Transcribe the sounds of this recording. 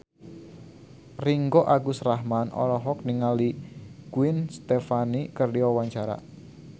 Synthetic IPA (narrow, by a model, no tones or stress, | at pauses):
riŋɡɔʔaɡusraɦmanɔ̰ɾɔɦɔk̚niŋaliɡ̥uɪnst̪efanikərdiɔwaɲt͡ʃaɾa̰